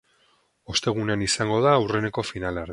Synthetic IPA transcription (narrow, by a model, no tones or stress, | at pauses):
o̞st̪e̞ɣ̞une̞anisaŋɡo̞ð̞aːwre̞ne̞ko̞finaleaɾð